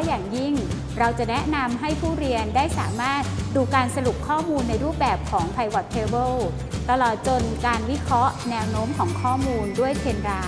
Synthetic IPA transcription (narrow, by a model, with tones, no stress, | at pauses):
jaː˨˩ŋji˥˩ŋ | ɾa˧wt͡ɕa˨˩ʔnɛ˦˥ʔna˧mɦa˥˩jpʰuː˥˩ɾi˧əndaː˥˩jsa̰ː˩˦maː˥˩t̪̚duː˧kaː˧nsa˧lu˨˩p̚kʰɔː˥˩muː˧nːa˧jɾuː˥˩p̚bɛː˨˩p̚kʰɔː˩˦ŋpʰa˧jwa˨˩t̪ʰːeː˧bɤ˥˩l | t̪a˧lɔː˨˩t̪̚t͡ɕo˧nkaː˧nwi˦˥kʰɾɔ˦˥ʔnɛː˧wnoː˦˥mkʰɔː˩˦ŋkʰɔː˥˩muː˧ndu˥˩əjkʰe˧nɾaː˦˥